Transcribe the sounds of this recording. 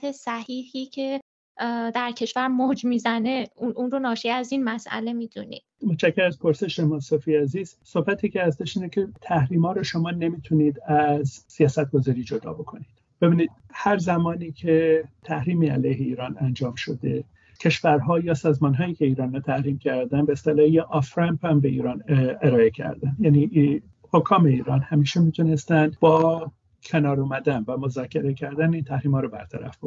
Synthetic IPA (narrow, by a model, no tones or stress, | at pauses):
esæhiːhiːcʰe̞ | d̪æɾcʰe̞ʃvæɾmod͡ʒmiːzæne̞unʔunɾonɒːʃiːæzinmæsʔæ̰le̞miːd̪ṵnḭd̪̥mot͡ʃʰæcʰːeɾæzpʰoɾse̞ʃemɒːnsofijæziːz̥sohbæt̪ʰiːcʰeæsd̪æʃiːnecʰet̪ʰæhɾiːmɒːɾɔːʃomɒːne̞miːt̪ʰuniːd̪æzsijɒːsæt̪̚ɡ̥o̞zɒːɾiːd͡ʒod̪ɒ̰ːbo̞kʰoniːd̥̪ | b̥e̞biːniːd̪̥ | hæɾzæmɒːniːcʰet̪ʰæhɾiːmiːæ̰læjɦeiːɾɒːnænd͡ʒɒːmʃo̞d̪e̞ | cʰe̞ʃvæɾɦɒːjɒːsɒːzmɒːnɦɒːjiːcʰe̞iːɾɒːnɾɔt̪ʰæhɾiːmcʰæɾd̪ænbeːst̪elɒːjeʔɒfɾæmpʰæmbe̞iːɾɒːneɾɒːe̞cʰæ̰ɾd̪ænd̪jæni | hokʰɒːme̞iːɾɒːnhæmiːʃemiːt̪ʰune̞st̪ænd̪bɒː | cʰenɒːɾumæd̪ænvæmo̞zɒːcʰe̞ɾe̞cʰæɾd̪æniːnt̪ʰæhɾiːmhɒːɾobæ̰ɾt̪ʰæ̰ɾæ̰fb̥o̥